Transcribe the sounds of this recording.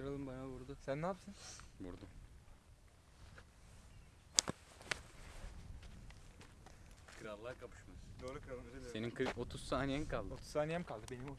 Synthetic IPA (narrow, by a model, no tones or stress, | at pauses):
ɾalˠɯmbanabuɾd̪usænːaːpʰɯ̥sɯnbuɾd̪u | kʰɯɾalˠːaɾkʰapɯ̥ʃmasd̪oːɾukɯɾalˠmse̞ninkʰɯɾot̪ʰuz̥saːnijɛmkʰalˠd̪ot̪ʰuz̥sʰaːnijɛmkʰalˠd̪ɯbe̞nimo